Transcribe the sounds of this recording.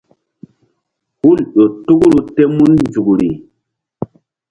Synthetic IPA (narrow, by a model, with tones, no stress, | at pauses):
hu˦lɗo˨tu˦ɡu˦ɾu˦te˦mu˦nnd͡zu˨ɡɾi˨